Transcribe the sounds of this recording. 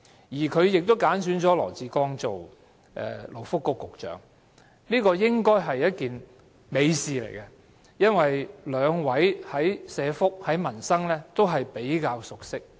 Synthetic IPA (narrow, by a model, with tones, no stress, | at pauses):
jiː˨˩kʰɵ˨˧ɥjɪ˨k̚t̪o˥wkaː˨˥nsyː˨˥nt͡sɔː˨˥lɔ̰ː˨˩t͡siː˧kɔː˥ŋt͡so˨w | ʔɛ̰˨˧lo˨˩wfʊ˥kːʊ˧kːʊ˨k̚t͡ʃœ̰ː˨˥ŋ | niː˥kɔː˧jɪ˥ŋkɔː˥jɦɐ˨jːɐ˥t̚kiː˨n | me˨˧jsiː˨lḛ˨˩jkɐ˧ | jɐ˥nwɐ˨jlœː˨˧ŋwɐ˨˥jhɐ˨˥jsɛː˨˧fʊ˥k̚hɐ˨˥jmɐ˨˩nsɐ˥ŋlɛː˥t̪o˥wɦɐ˨jpe˨˥jkaː˧wsʊ˨k̚sɪ˥k̚